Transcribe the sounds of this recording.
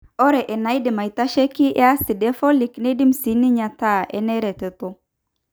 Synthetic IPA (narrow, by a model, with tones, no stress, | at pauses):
ɔ˦ɾɛ˨ʔɛ˨na˨˦jdɪ˨ma˨i˨ta˦ʃɛ˦ki˦ʔa˦sɪ˨dɛ˦fɔ˦li˨kne˦di˦msi˨˦ni˦ɲa˨ta˦ɛ̰˦nɛ˦ɾɛ˨tɛ˨to˦